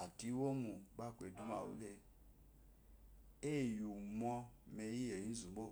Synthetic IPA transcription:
a˨ti˨˦wo˦mu˨ɡ͡ba˦˨kʷe˨du˦m˦a̰˨wṵ˦le˦ | e˦˨ju˨mɔ˧me˨ji˦je˨i˦n̩˦zu˨ɡ͡bo˦˨

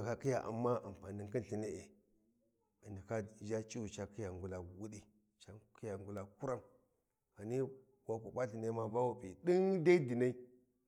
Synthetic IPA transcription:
ka˦ki˦ja˨ʔa̰˨mːa˦a̰˨m˨pa˨ni˨ŋki˦nɬi˨ne˦e˨ | a˨ndi˨ka˦d͡ʒa˦t͡ʃi˦wu˨t͡ʃa˨ki˦ja˨ŋɡu˨la˨wu˦ɗi˦ | t͡ʃa˦ki˦ja˨ŋɡu˨˦la˨ku˦ɾa˦m | ka˨ni˦ | wa˦ku˨ɓa˦ɬi˨na˦ma˦va˦wu˨bi˨ɗi˦ŋda˦i˦di˨na˦i˦

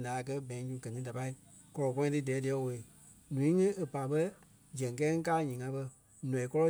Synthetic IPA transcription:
nãː˨kɜ˦bɛ̃˨˦ɲũ˧˦ɡɜ˨nĩ˨˦da˨pa˧i˦ | kɔ˧lɔ˨kɔ̃˦ĩ˧tɨ˦dɛː˨˦di˨˧ɛ˨˧˦wo˨e˨ | nũ˨ĩ˦ŋĩ˦e˨pa˨ɓə˦ | d͡ʒɛ̃˨ŋ˨kɛː˦ŋ̩̃˦kaː˦ɲĩː˨ŋã˧˦ɓə˧ | nɔ̃˨i˨kɔ˦lɔ˦

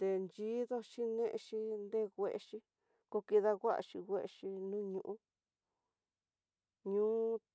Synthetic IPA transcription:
t̪e˧nd͡ʒi˦ðo˦ʃi˦nẽ˦ʔʃi˧nd̪e˦ɣʷe˧ʔe˧ʃi˧ | ko˧ki˧ða˧ɣʷa˦a̰˧ʃi˧ɣʷe˦ʔʃi˧nũ˦ɲũ˧ʔũ˦ | ɲũ˦

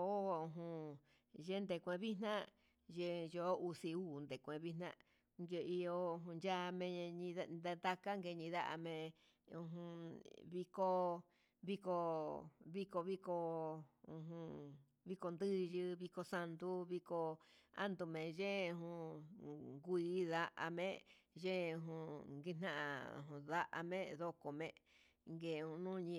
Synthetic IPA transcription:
o˨˦u˧ɦũ˧ | ʒe˦nd̪e˧˨kʷẽ˧βi˦nã˦ | ʒe˧jo˨˦u˧si˧uː˦˨nd̪e˨kʷẽ˧βi˦nã̰˦ | ŋɡe˧i˧o˧ɦũ˧nd͡ʒa˦˧mẽ˧ɲĩ˧d̪a˧d̪a˧ka˦ŋɡe˧ɲĩ˧ða̰˦ʔa̰˧mẽ˧ | ũ˧ɦũ˧βi˧ko˧ | βi˧ko˧βi˧ko˧βi˦ko˧ũ˧ɦũ˧ | βi˧ko˧nd̪ɨ˦˧ʒɨ˧βi˧ko˧sa˧nd̪u˧βi˧ko˧a̰˦nd̪u˧˨mẽ˨ʒẽ˦˧ɦũ˧ | ŋɡu˧i˦ða˧ʔa˧mẽ˦ʒẽ˦˧ɦũ˧ŋɡi˧n̥ã˦ʔã̰˧˨˧ɦũ˧˨ða˦ʔa̰˧mẽ˦ðo˧ko˨mẽ˧ | ŋɡe˧˨˧ũ˧nũː˦˧ɲĩ˧

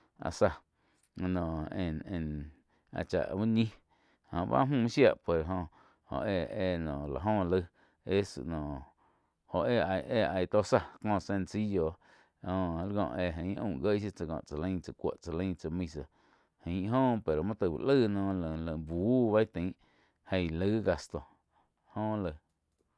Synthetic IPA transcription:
a̰˧sa˧ | nɔ̃˨ẽ˧˨nẽ˧˨n | a̰˧t͡ʃa̰˧˨ʔbu˦ɲĩ˦ | hõ̰˧˨ba̰˦mũ˦˧mĩ˦ʃja˦˧ʔpwe˨ɾɦõ˧ | hõ̰˧˨ʔe˧e˧˨nɔ̃˨la̰˨ɦõ˦˧lə˧ | e˦sɨ̰˨ʔnɔ̃˨ | ho˨ʔe˧˨a˧˨jʔe˦˧a˧jt̪o˦sa˧kɔ̃ː˦˧sẽ˧nsi˦jo˧ | õ˧lɡɔ̰̃˧˨e˧˨ɦə̃˨˦ʔṵ̃˦˧˨ɡə˦si˦t͡sa˧kɔ̰̃˧˨ʔt͡sa˨lə̃˧˦t͡sə˨kʷo̰˧˨ʔt͡sa˧lə̃˦t͡sə˧mĩ˧sa˧˨ | hə̃˨˦ɦõː˦pe˨ɾo˨mã˦t̪ə˧˨bṵ˨lə˦nɔ̃ː˧lə˨lə̃˨buː˨˦βa˦i˦t̪ĩ˨˦ʔ | hẽ˧jlə˦ɡa˧st̪o˨ | hõ˧˦lə˧

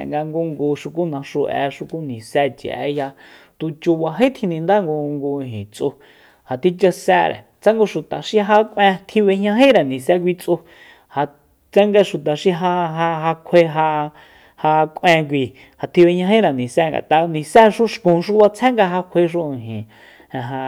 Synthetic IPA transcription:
ŋɡa˧ŋɡu˧ŋɡu˧ʃu˧ku˦nã˧ʃu˧ʔɛ̰˧ʃu˧ku˦nĩ˨sɛ˧t͡ʃḭ˨ʔɛ̰˦ja˧ | t̪u˧t͡ʃu˧βa˧ɦe˦t̪ʰĩ˧nĩ˧nd̪a˦ŋɡo˧ŋɡu˧ɦḭ̃˨t͡sʼu˧ | ha˨t̪i˦t͡ʃa˧sɛː˧˦ɾḛ˨ | t͡sa˦ŋɡo˧ʃu˨t̪a˨ʃi˧ɦa˧kʷẽ˧t̪ʰi˧βe˧hɲã˧ɦĩ˦ɾa˨nĩ˨sɛ˧˦k̬ʷi˧t͡sʼu˧ | ha˧ | t͡sa˦ŋɡa˧ʃu˨t̪a˨ʃi˧ɦa˧ɦa˧ɦa˧kʷʰe˧ɦa˧ | ha˧kʷʔẽ˧k̬ʷi˧ | ha˧t̪ʰi˧βe˧ɲã˧ɦĩ˦ɾa˨nĩ˨sɛ˧ŋɡa̰˨t̪a˧nĩ˨sɛ˦ʃu˦ʃkũ˧˨ʃu˦βa˧t͡sʰɛ̃˦ŋɡa˧ɦa˧kʷʰe˧ʃ̬u˦ĩ˨ɦĩ˨ | ɛ̃˨ɦa˧

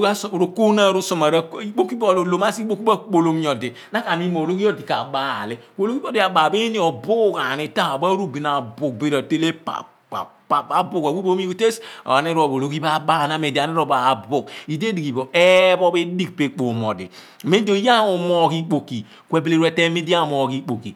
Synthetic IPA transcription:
a˦sɾo˨ku˦na˦˨ɾu˦so˨ma˨ɾa˦i˦k͡po˦ki˦bo˦˨lo˨lo˨ma˦si˦k͡po˦ki˦ba˦k͡po˨lo˦m˦ɔ˨di˨ | na˦ka˨mi˦mo˨ɾo˦ki˦o˦di˨ka̰˨ba̰˦˨le˦k͡po˨lo˦ki˦o˦di˨a˨baː˨be˦ni˦ɔ˨bu˦˨ka˨ni˨ta˦a˨ba˦ɾu˦bi˨na˨bu˨k̚be˦ɾa˨te˦le˦pa̰˨ | pa˨a˦bu˦ka˨wu˦bo˦mi˦kte˦sa˨ni˦ɾo˨bo˨lo˦ki˦ba˦ba˦˨na˦˨me˨di˨a˨ni˦ɾo˦˨ba˨bu˨ki˨de˦di˨ki˨bo˨ʔe˦bɔ˦be˦di˦k̚pe˦k͡po˨mɔ˨dḭ˨ | me˦do˦˨˦ja˦˨o˨mɔ˦˨ki˦k͡po˨ki˨ | kʷe˨be˨le˦˨ɾwɛ˦te˦me˦di˦a˦˨mo˨ki˦k͡po˨kḭ˨

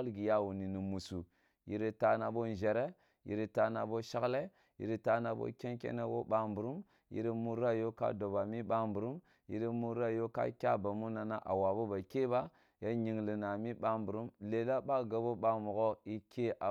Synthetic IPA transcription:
lɡi˨ja˦wu˨ni˨ni˨mu˨su˨ | ji˨ɾe˦ta˦na˨bo˦n˨ʒe˨ɾe˦ | jḭ˨ɾi˦ta˦na˨bo˦ʃa˦kle˦ | jḭ˨ɾi˦ta˦na˨bo̰˦kʲe˦ŋkʲḛ˦ne˦wo̰˦ɓa˦mbu˨ɾu˦m | jḭ˨˦ɾi˦mu˦ɾa˦jo˦ka̰˦do˨ba˨mi˦ɓa˦mbu˨ɾu˦m | jḭ˨˦ɾi˦mu˦ɾa˦jo˦ka̰˦kʲa̰˦ba˨mu˦na˨na˦ʔa̰˨wa˨bo˦ba˨ke˦ba˦ | ja˦ɲi˨ŋli˨na˨mi˦ɓa˦mbu˨ɾu˦mle˨la˦ba˦ɡa˨bo˦ɓa˦mu˨ɣo˦i˦kʲe˦ʔa˨

